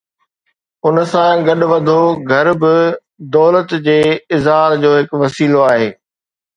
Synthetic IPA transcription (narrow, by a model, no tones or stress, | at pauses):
ʊnsãɡɐɗʊ̆ʋɐd̪ʱoɡʱɐɾbɪ | d̪ɔːlət̪d͡ʑeːɪzɦaːld͡ʑoːɦɪkʋɐsiːloaːɦeː